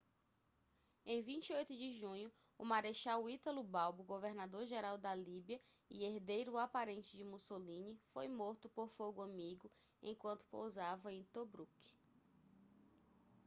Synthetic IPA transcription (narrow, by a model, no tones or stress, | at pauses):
ẽj̃vĩt͡ʃiojt̪ʊd͡ʒɪʒũɲʊː | maɾeʃawit̪ɐlubawbʊɡoveɾnad̪oɾʒeɾawd̪ɐlibiɐɪeɾd̪ejɾʊapaɾẽnt͡ʃɪd͡ʒɪmusolĩnɪfojmoɾt̪ʊpoɾfoɡʊɐ̃miɡʊ | ḛ̃j̃kwɐ̃nt̪ʊ̥po̰wzavɐẽj̃t̪obɾuk